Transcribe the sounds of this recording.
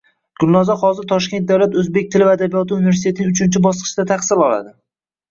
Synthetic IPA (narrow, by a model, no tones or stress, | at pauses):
ɡ̥ʊlˠnɒzɒχɒzɪɾt̪ʰɒʃkʲe̞nt̪̚d̪awlat̪ɵzbe̞k̚ʲt̪ʰɪlɪvad̪abijɒt̪ɪuːnɪvesit̪e̞t̪ɪɪŋʊt͡ʃʰɪnt͡ʃʰɪbɒsqʰɨ̥ʃɪd̪at̪ʰaχsɪlɒla̰d̪ɪ